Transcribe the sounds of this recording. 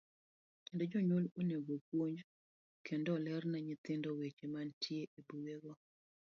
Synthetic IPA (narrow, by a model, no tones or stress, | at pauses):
kendod͡ʒɔɲwoloneɡokwoɲd͡ʒ | kʰendɔlɛrnaɲɪt̪ɪndɔwet͡ʃemantʰjeʔebuɡeɡɔ